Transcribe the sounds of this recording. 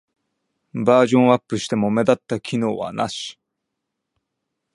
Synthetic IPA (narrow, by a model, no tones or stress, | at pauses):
baːʑõ̞ɰ̃apːɯ̟ɕi̥t̪e̞mo̞me̞d̪at̪ːakʲʰino̞ːβa̰na̰ɕi̥